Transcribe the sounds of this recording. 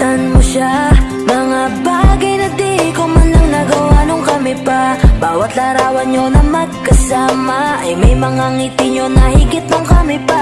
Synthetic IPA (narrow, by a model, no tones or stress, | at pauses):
t̪anmoʃa | mɐŋabaːɡɐjnɐd̪ɪhɪkomɐnlɐŋnɐɡɐwanoŋkɐmɪpabaːwɐt̪laɾaːwɐnɲo̞nɐmɐɡ̚kɐsaːmɐʔɐjmɐjmɐŋaŋiːt̪ɪɲonɐhɪɡɪt̪̚noŋkɐmɪpa